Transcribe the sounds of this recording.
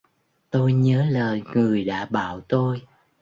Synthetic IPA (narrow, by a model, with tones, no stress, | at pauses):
t̪o˧jɲəː˨˦ləː˨˩jŋɨ˨˩əjɗa̰ː˧˥ɓa̰ː˧˨wt̪o˧j